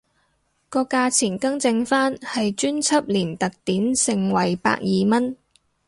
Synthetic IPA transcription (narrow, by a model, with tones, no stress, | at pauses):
kɔː˧kaː˧t͡sʰiː˨˩nkɐ˥ŋt͡sɪ˧ŋfaː˥nhɐ˨jt͡ʃyː˥nt͡sʰɐ˥p̚liː˨˩nt̪ɐ˨k̚t̪iː˨˥nsɪ˨˩ŋwɐ˨˩jpa̰ː˧k̚jiː˨mɐ˥n